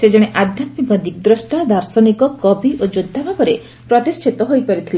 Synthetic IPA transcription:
sed͡ʒeɽ̃eʔad̪ʱjat̪mikɔd̪ik̚d̪ɾɔsʈad̪aɾsɔnikɔkɔbiʔod͡ʒud̪ʱːabʱabɔɾe | pɾɔt̪isʈʰit̪ɔɦojpaɾit̪ʰile

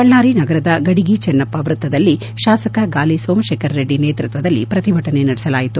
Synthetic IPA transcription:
bɐɭːaːɾinɐɡɐɾɐd̪ɐɡɐɽiɡit͡ʃɐnːɐpːɐʋɾut̪ːɐd̪ɐlːi | ʃaːsɐkɐɡaːlisoːmʃeːkʰɐɾːeɖːineːt̪ɾut̪ʋɐd̪ɐlːḭpɾɐt̪ibʱɐʈɐnenɐɽɛsɐlaːjit̪u

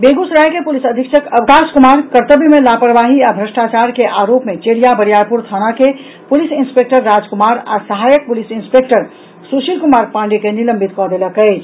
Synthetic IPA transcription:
beɡusɾajkepulisəd̪ʱikʃʰəkəʋkaskumaɾkəɾt̪əbimelapəɾʋaɦiabʱɾəsʈat͡ʃaɾkeʔaɾopmet͡ʃeɽijabəɾijaɾpuɾt̪ʰənake | pulisinspek̚ʈəɾːad͡ʒkumaɾa̰səɦajək̚pulisinspek̚ʈəɾ | suʃilkumaɾpãɳɖekeniləmbʱit̪kɔd̪eləkəɪt͡ʃʰ

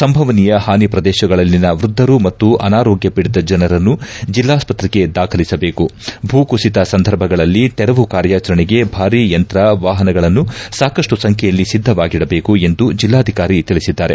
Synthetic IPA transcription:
sɐmbʱɐʋɐnijɐhaːnipɾɐd̪ɛːʃɐɡɐɭɐlːinɐʋɾud̪ʱːɐɾumɐt̪ːuʔɐnaːɾoːɡjɐpiɽid̪ɐd͡ʒɐnɐɾɐnːud͡ʒilːaːspɐt̪ɾike̞d̪aːkʰɐlisɐbe̞ːkubʱuːkusit̪ɐsɐnd̪ʱɐɾbʱɐɡɐɭɐlːit̪ɛɾɐʋukaːɾjaːt͡ʃɐɾɐɳiɡe̞bʱaːɾiːjɐnt̪ɾɐʋaːɦɐnɐɡɐɭɐnːusaːkɐʂʈusɐŋkʰɛjɐlːisid̪ʱːɐʋaːɡiɽɐbe̞ːkue̞nd̪ud͡ʒilːaːd̪ʱikaːɾit̪iɭisid̪ːaːɾe̞̰

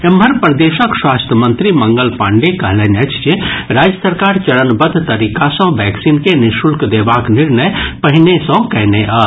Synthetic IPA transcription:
emɦəɾpɾəd̪eːʃəkswaːst̪ʰəmə̃nt̪ɾimə̃ŋɡəlpãːɳɖekəɦlenət͡ʃt͡ʃeɾaːd͡ʒjəsəɾkaːɾt͡ʃəɽənbəd̪ʱt̪əɾiːkasə̃ʋɛːksiːnkenɪʃulkd̪eːbaknɪɾnəjpəɦinesə̃kɛɦneʔa

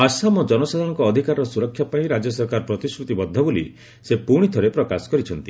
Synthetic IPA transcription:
asamɔd͡ʒɔnɔsad̪ʱɔɽ̃ɔŋkɔːd̪ʱikaɾɾɔsuɾɔkʰːjapaĩɾad͡ʒɔsɔɾkaɾɔpɾɔt̪iskɾut̪ibɔd̪ʱːɔbolḭ | sepuɽ̃it̪ʰɔɾepɾɔkasɔ̥kɔɾit͡ʃʰɔnt̪i

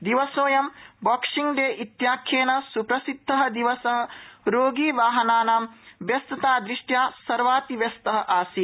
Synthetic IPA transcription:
d̪iʋɐsoːjɐmbɔːkʂiŋɖeːʔit̪jaːkʰjeːnɐsupɾɐsid̪ʱːɐɦɐ̆d̪iʋɐsɐɦɐ̆ɾoːɡiːʋaːɦɐnaːnaːmʋjɐst̪ɐt̪aːd̪ɾiʂʈjaːsɐɾʋaːt̪iʋjɐst̪ɐɦɐ̆ʔaːsi

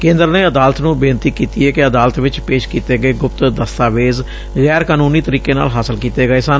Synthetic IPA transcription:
kẽːnd̪əɾneːəd̪aːlət̪nũːbɪːnt̪iːkiːt̪iːɛːkeəd̪aːlət̪ʋɪt͡ʃpeːʃkiːt̪eːɡəeːɡʊpt̪d̪əst̪aːʋeːz | ɣɛːɾkaːnuːniːt̪əɾiːkeːna̰ːlɦaːsəlkiːt̪eːɡəeːsaːn

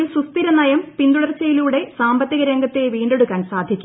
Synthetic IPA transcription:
lsust̪iɾɐnɐjɐmpind̪uɽɐrt͡ɕːɐjiluːɽe̞saːmbɐt̪ːiɣɐɾe̞ŋɡʱɐt̪ːe̞ʋiːɳɖeɽukːaːnsaːd̪ʱikʲːu

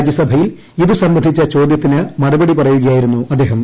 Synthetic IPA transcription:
d͡ʑjɐsɐbʱɐjil | iðusɐmbɐnd̪ʱit͡ɕːɐt͡ɕo̞ːd̪jɐt̪ːinɨmɐrubɐɽipɐrɐjuɣɐjaːjiɾunːuɐd̪ːe̞ːɦɐm

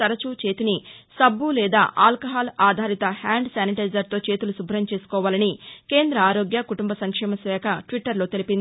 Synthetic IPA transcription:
ɐɾɐt͡ʃuːt͡ʃe̞ːt̪ini | sɐbːulɛːd̪a̰ːʔaːlkɐɦaːlaːd̪ʱaːɾit̪ɐhaːɳɖsaːniʈɐjzɐɾt̪o̞ːt͡ʃe̞ːt̪ulusubʱɐɾɐmt͡ʃe̞ːsu̥kɔːʋaːlɐnike̞ːnd̪ɾɐaːɾo̞ːɡjɐkuʈumbɐsɐŋkʂɛːmɐsʋɛːkʰɐʈʋiʈːɐɾlo̞ːt̪e̞lipind̪i

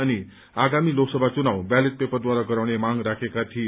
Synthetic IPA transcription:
añi | aɡamiːloksəbʱat͡sunawbælet̪̚pepəɾd̪ʋaɾakəɾaʋɽemãŋɡɾakʰekat̪ʰiː

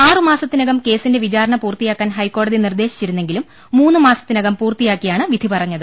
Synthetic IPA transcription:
aːrɨmaːsɐt̪ːinɐɣɐmke̞ːsinde̞ʋit͡ɕaːɾɐɳɐpuːrt̪ijaːkːaːnɦɐjkːo̞ːɽɐðinird̪e̞ːɕi̥t͡ɕːiɾunːe̞ŋɡilumː | uːnːɨmaːsɐ̥t̪ːinɐɣɐmpuːrt̪ijaːkːijaːɳɨʋid̪ʱipɐrɐɲːɐðɨ

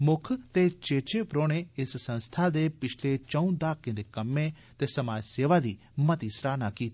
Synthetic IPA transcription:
mʊkʰt̪eːt͡ʃeːt͡ʃeːpɾoːñeːɪssə̃nst̪ʰaːd̪eːpɪt͡ʃʰleːt͡ʃə̃ũːd̪aːkːẽːd̪eːkəmːẽː | t̪eːsəmaːd͡ʒseːʋaːd̪iː | mət̪iːsɾaːnaːkiːt̪i

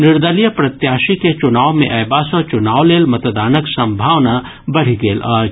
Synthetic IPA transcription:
nɪɾd̪əlijəpɾɐt̪jaːʃiket͡ʃʊnaːʋmḛ̃ʔɛːbaːsɔt͡ʃʊnaːwleːlmɐt̪d̪aːnəksɐ̃mbʱaːʋna | bɐɽ̤iɡeːlɔːɾ

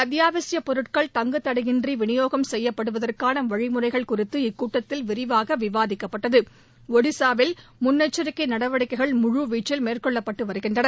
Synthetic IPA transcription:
ɐt̪jaːʋɐsɪjɐpːɔɾɯʈ̚kɐɭt̪ɐŋɡɯt̪ːɐɽɐɣɪndriʋɪɳɪjoːɣɐmsɛjːɐpːɐɽɯʋɐðɐrkaːnɐʋɐɻɪmʊrɐɪɣɐɭkʊrɪt̪ːɯɪkːuːʈːɐt̪ːɪlʋɪɾɪʋaːɣɐʋɪʋaːðɪkːɐpːɐʈːɐðɯ | ɔɽɪsaːʋɪlmʊnːɐt͡ʃːɐɾɪkːɐɪnɐɽɐʋɐɽɪkːɐɪɣɐɭmʊɻuʋiːt͡ʃːɪlmeːrkɔɭːɐpːɐʈːɯʋɐɾɯɣɪndrɐnɐ

